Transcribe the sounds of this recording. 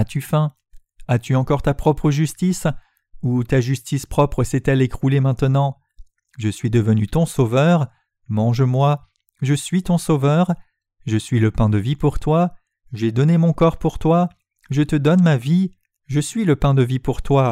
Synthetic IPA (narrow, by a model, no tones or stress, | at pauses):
at̪yfɛ̃ | at̪yɑ̃kɔʁt̪apχɔpχəʒyst̪is | ut̪aʒyst̪ispχɔpχəsɛt̪ɛlekχulemɛ̃t̪ənɑ̃ | ʒəsɥid̪əvənyt̪ɔ̃sovœʁ | mɑ̃ʒmwa | ʒəsɥit̪ɔ̃sovœʁ | ʒəsɥiləpɛ̃d̪əvipuʁt̪wa | ʒɛd̪ɔnemɔ̃kɔʁpuʁt̪wa | ʒət̪əd̪ɔnmavi | ʒəsɥiləpɛ̃d̪əvipuʁt̪wa